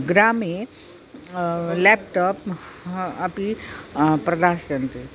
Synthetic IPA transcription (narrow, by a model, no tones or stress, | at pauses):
ɡɾaːme | lɛpʈɔp | ɐpi | pɾɐd̪aːsjɐnt̪e